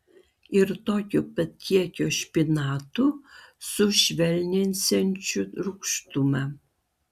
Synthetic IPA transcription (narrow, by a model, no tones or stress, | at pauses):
ɪɾt̪oːkʲʊpɐt̪ʲʰiɛkʲoːʃʲpʲɪnɑːt̪ʊsʊʃʲʋʲɛlʲnʲɪnʲsʲɛnʲt͡ʃʲʊɾʊkʃt̪ʊmɐ